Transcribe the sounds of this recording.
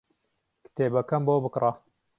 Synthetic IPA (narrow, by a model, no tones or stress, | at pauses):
kɨ̥t̪ʰebɐkɐmbobɨkra